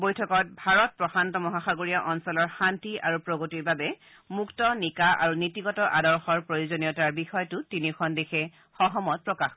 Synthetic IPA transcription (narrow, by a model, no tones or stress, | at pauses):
bojtʰɔkɔt̚bʱaɹɔt̚pɹɔxantɔmɔɦaxaɡoɹijaʔɔnsɔlɔɹxantia̰ɹupɹoɡotiɹbabɛ | muktɔnikaʔa̰ɹunitiɡɔtɔʔadɔɹxɔɹpɹojuzonijɔtaɹbixɔjɔtʊtinixʰɔndexʰɛ | xɔɦɔmɔt̚pɹɔkax